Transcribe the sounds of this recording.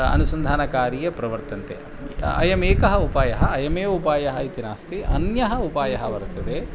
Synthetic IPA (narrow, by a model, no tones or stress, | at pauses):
ɐ̰nusɐnd̪ʱaːnɐkaːɾijɐpɾɐʋɐɾt̪ɐnt̪ḛ | ɐ̰jɐmeːkɐɦɐupaːjɐɦɐɐjɐmeːupaːjɐɦɐit̪inaːst̪iʔɐnjɐɦɐupaːjɐɦɐʋɐɾt̪ːɐd̪e